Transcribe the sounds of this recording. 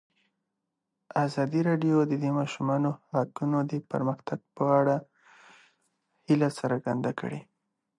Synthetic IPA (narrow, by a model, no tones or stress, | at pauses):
azɑd̪iɾɑɖjod̪əd̪emɑʃumɑnohakunod̪əpə̰ɾməxt̪aɡ̚pəaɽa | hilasaɾɡand̪akə̰ɽe